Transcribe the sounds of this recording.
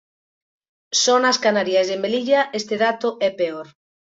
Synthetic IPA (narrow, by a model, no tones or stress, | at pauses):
sɔnaskanaɾjazðembeliʎaʔest̪eðat̪ʊʔɛpeoɾ